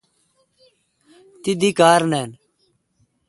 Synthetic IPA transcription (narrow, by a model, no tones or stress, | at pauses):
t̪ɪd̪iːkaːɾnɛːn